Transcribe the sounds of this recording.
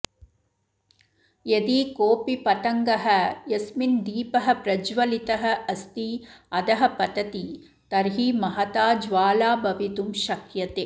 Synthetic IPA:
jɐd̪ikoːpipɐt̪ɐŋɡɐɦɐjɐsmind̪iːpɐɦɐ̆pɾɐd͡ʒʋɐlit̪ɐɦɐ̆ɐst̪iɐd̪ɐɦɐ̆pɐd̪ɐt̪i | t̪ɐɾɦimɐɦɐt̪aːd͡ʒʋaːlaːbɐʋit̪umʃɐkjɐt̪eː

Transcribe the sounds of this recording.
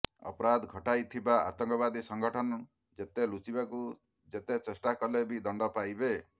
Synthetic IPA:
ɔ̰pɔɾad̪ɡʱɔʈajt̪ʰibaa̰t̪ɔŋkɔβad̪isɔŋɡɔʈʰɔnɔ | d͡ʒet̪elut͡ʃibaku | d͡ʒet̪et͡ʃesʈakɔlebid̪ɔɳɖɔpajbe

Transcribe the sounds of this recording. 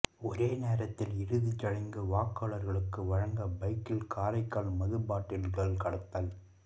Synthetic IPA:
ɔɾeːneːɾɐt̪ːɪlɪɾɯðit͡ʃːɐɻɐŋɡɯʋaːkːaːɭɐɾɣɐɭɯkːɯʋɐɻɐŋɡɐbɐɪkːɪlkʰaːɾɐɪkːaːɭmɐðɯbaːʈːɪlɡɐɭkɐɽɐt̪ːaːl

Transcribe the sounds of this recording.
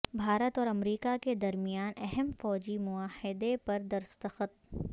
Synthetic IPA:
bʱaːɾət̪ɔːɾɐmɾiːkaked̪ɐɾmijaːnɛɦɛmfɔːd͡ʒimʊaːhɪd̪epɐɾd̪ɐɾst̪əxət̪̚

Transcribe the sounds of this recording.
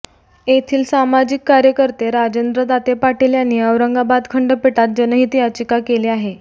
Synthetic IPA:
et̪ʰiːlsamad͡ʑikːaɾjəkəɾt̪eɾad͡ʑend̪ɾəd̪at̪epaʈʰeljanːiːəʋɾəŋɡabad̪kʰəɳɖəpiʈat̪̚d͡ʑənəɦit̪iat͡ɕikakeleaɦe

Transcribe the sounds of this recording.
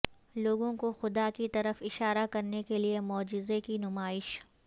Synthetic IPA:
loːɡõkoxʊd̪akit̪ɐɾəfɪʃaːɾakɐɾnekeliemɔːd͡ʒɪzekinʊmaːɪʃ

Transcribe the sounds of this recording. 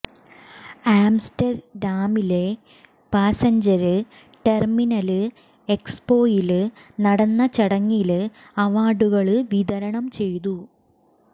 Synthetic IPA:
aːmstɐrɖaːmile̞ | paːsɐɲd͡ʑɐɾɨ | ʈe̞rminɐlɨ | ekspo̞ːjilɨnɐɽɐnːɐt͡ɕɐɽɐŋːilɨ | ɐʋaːɖuɣɐɭɨʋiðɐɾɐɳɐmt͡ɕe̞jt̪̬u

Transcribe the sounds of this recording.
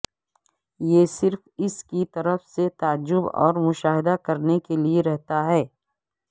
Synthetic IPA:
jesɪɾfɪskit̪ɐɾəfset̪aːd͡ʒʊbɔ̰ːɾmʊʃaːɦɪd̪akɐɾnekelieɾɛɦt̪aɦɛː

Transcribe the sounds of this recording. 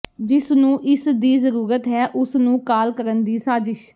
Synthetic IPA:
d͡ʒɪsnũːʔɪsd̪iːzəɾuːɾət̪ɦɛːʔʊsnũːkaːlkəɾənd̪iːsaːzɪʃ

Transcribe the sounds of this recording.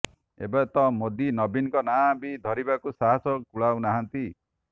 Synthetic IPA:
ḛbɔt̪ɔmod̪inɔbinkɔnabid̪ʱɔɾibakusaɦasɔkuɭawnaɦant̪i

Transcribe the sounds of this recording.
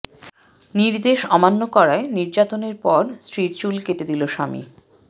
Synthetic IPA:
niɾd̪eʃɔmanːokɔɾaeniɾd͡ʑat̪oneɾpɔɾsɾiɾt͡ɕulketed̪iloʃamḭ

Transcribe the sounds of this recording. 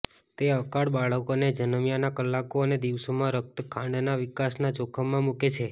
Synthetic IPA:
t̪eəkaɽbaɭəkoned͡ʒənəmjanakəlːakoəned̪iʋsomãɾək̚t̪əkʰaɳnaʋikasnad͡ʒokʰəmːãmuket͡ʃʰe

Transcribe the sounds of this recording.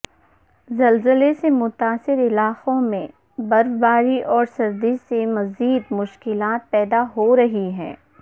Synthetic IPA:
zɐlzəlesemʊt̪aːsɪɾɪlaːqõmẽ | bɐɾbaːɾiʔɔːɾsɐɾd̪isemɐziːd̪mʊʃkɪlaːt̪̚pɛːd̪aɦoɾɐɦiɦɛ̰̃ː

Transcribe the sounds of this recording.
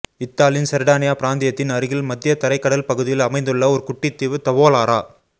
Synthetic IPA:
ɪt̪ːaːlɪjɪnsɐɾɽaːnɪjaːpɪɾaːnd̪ɪjɐt̪ːɪnɐɾɯɣɪlmɐd̪ːɪjɐt̪ɐɾɐɪkːɐɽɐlpɐɣɯðɪjɪlɐmɐɪnd̪ɯɭːɐɔɾɯkʊʈːɪt̪ːɪʋɯt̪ɐʋoːlaːɾaː

